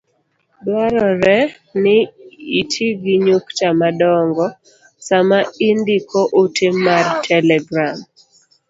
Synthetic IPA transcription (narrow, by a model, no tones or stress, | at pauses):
dwaɾɔɾɛ | nɪitʰiɡiɲuktamadɔŋɡɔ | samaindikɔʔotemːartʰɛlɛɡɾam